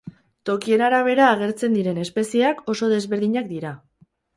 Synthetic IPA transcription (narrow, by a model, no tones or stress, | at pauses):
t̪o̞kie̞naɾaβ̞e̞ɾaːɣ̞e̞ɾt͡se̞nd̪iɾe̞ne̞spe̞sieako̞so̞ðe̞zβe̞ɾð̞iɲak̚d̪iɾa